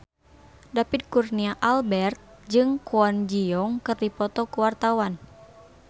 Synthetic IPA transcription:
dapit̪̚kurniaʔalbɛrt̪̚d͡ʒɨŋkuɔnd͡ʒiɔŋkɨrdipɔt̪ɔkuwart̪awan

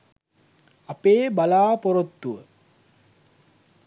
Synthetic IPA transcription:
ɐpeːbalaːpoɾot̪ːuʋə

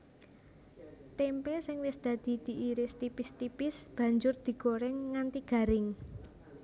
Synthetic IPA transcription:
t̪empɛsɪŋwɪsd̪̥ä̤d̪̥i̤d̪̥i̤ʔiɾɪst̪ipɪst̪ipɪsb̥ä̤ɲd͡ʒʊrd̪̥i̤ɡ̥oɾɛŋːant̪iɡ̥ä̤ɾɪŋ

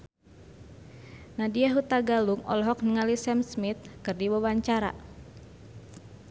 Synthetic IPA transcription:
nadiaɦut̪aɡaluŋɔ̰lɔɦɔk̚nəŋalisɛmsmit̪̚kɨrdiwawaɲt͡ʃaɾa̰

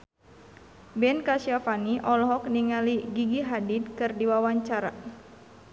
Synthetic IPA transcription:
bɛnkaʃiafaniʔɔlɔɦɔkniŋaliɡiɡiɦadid̪̚kɨrdiwawaɲt͡ʃaɾa

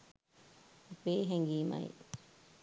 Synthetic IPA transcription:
peːɦeŋɡiːma̰ḭ

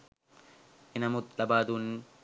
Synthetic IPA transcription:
ʔɪnɐmʊt̪lɐbaːd̪uːn

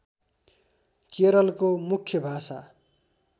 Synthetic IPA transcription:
keɾʌlkomukʰːjʌbʱasa

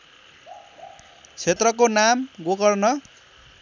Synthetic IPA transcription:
t͡sʰet̪rʌkonamɡokʌrnʌ

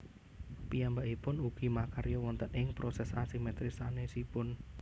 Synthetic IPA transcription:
pijambaʔipʊnuɡ̥imakaɾjɔwɔnt̪ənɪŋpɾosɛsasimɛt̪ɾisanesipʊn

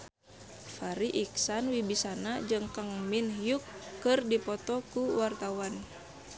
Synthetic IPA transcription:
faɾiʔiksanwibisanad͡ʒɨŋkaŋminhijukːɨrdipɔt̪ɔkuwart̪awan

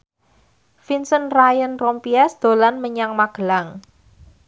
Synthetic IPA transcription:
finsɔnrajənrɔmpiasd̪̥o̤lanməɲaŋmaɡ̥əlaŋ

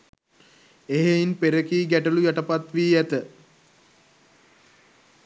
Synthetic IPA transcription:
eɦeinpeɾəkiːɡæʈəlujaʈəpat̪ʋiːæt̪ə

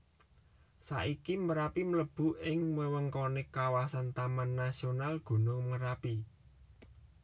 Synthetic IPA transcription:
sa̰ʔikiməɾapimələb̥ṳʔɪŋwəwəŋkɔnekawasant̪amanːasionalɡ̥ṳnʊŋməɾapi

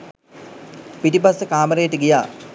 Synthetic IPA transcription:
piʈipasːəkaːməɾejəʈəɡijaː

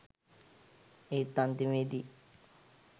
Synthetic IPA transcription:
et̪ːant̪imeːd̪i

